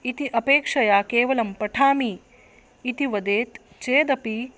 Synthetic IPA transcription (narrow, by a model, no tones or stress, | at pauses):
it̪iʔɐpeːkʂɐjaːkeːʋɐlɐmpɐʈʰaːmiː | it̪iʋɐd̪eːt̪ | t͡ʃeːd̪ɐpi